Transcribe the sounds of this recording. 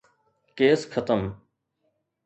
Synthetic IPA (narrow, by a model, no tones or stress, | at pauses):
keːskʰət̪əm